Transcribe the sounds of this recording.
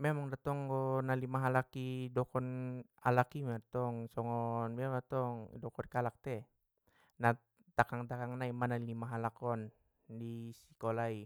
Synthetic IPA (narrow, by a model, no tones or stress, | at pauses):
mɛmaŋdat̪ɔŋɡɔnalimaɦalakidɔkɔn | alakimɛt̪ɔŋsɔŋɔnmɛdat̪ɔŋdɔkɔnkalak̚t̪ɛ | na | t̪akaŋt̪akaŋnaimanalimaɦalakɔn | disi̥kɔlai